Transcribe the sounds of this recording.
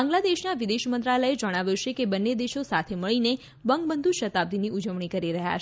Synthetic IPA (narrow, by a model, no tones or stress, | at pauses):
ãŋɡlad̪eʃnaʋid̪eʃmənt̪ɾaləed͡ʒəɽ̃aʋjot͡ʃʰekebənːed̪eʃosat̪ʰeməɭine | bəŋɡ̚bənd̪ʱuʃət̪ab̚t̪iniʔud͡ʒəʋɳ̃ikəɾiɾəɦa̰t͡ʃ